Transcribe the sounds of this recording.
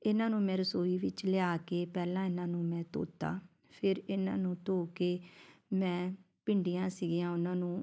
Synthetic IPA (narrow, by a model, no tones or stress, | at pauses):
ɪnãːnũːmɛ̃ːɾəsoːiːʋɪt͡ʃlɛaːkeːpɛːlãːɪnãːnũːmɛ̃ːt̪o̰ːt̪a̰ː | pʰɪɾɪnã̰ːnũːt̪oːkeːmɛ̃ː | pɪɳɖiːjãːsiːɡijãːʊnãːnũː